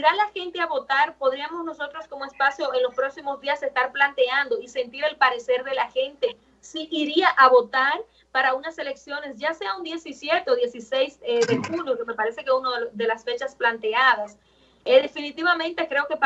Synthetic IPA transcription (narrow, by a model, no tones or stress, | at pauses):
iɾalaxe̞nt̪e̞aβo̞t̪aɾpo̞ðɾiamo̞sno̞so̞t̪ɾo̞sko̞moe̞spasjo̞e̞nlo̞spɾo̞ksimo̞zdiase̞st̪aɾplant̪e̞and̪o̞ise̞nt̪iɾe̞lpaɾe̞se̞ɾðe̞laxe̞nt̪e̞ | siʔiɾiaʔaβo̞t̪aɾ | paɾaunase̞le̞ksjo̞ne̞sʝase̞aund̪je̞sisje̞t̪eoðjesise̞jseðe̞xunjokeme̞paɾe̞se̞keunoððe̞lasfe̞t͡ʃasplant̪e̞að̞as | eðefinit̪iβamẽnt̪e̞kɾe̞oke